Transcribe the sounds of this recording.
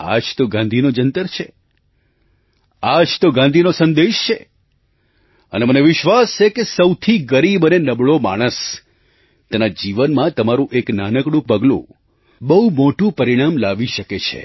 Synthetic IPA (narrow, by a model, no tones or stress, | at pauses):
a̰d͡ʒt̪oɡãnd̪ʱinod͡ʒənt̪əɾt͡ʃʰe | ad͡ʒt̪oɡãnd̪ʱinosə̃nd̪eʃt͡ʃʰe | ə̰neməneʋɪʃʋast͡ʃʰekesəwt̪ʰiɡəɾibənenəbɭoma̰ɽ̃əs | t̪enad͡ʒiʋənmãt̪əmaɾũʔeknanəkɽũpəɡlṵ̃ | bəɦumoʈũpəɾiɽ̃amlaʋiʃəket͡ʃʰḛ